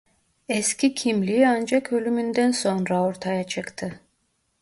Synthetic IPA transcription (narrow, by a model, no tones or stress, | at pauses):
escʲicʲʰimlʲiand͡ʒakø̞lʲymynd̪ænso̞nɾao̞ɾt̪ʰajat͡ʃʰɯkt̪ʰɯ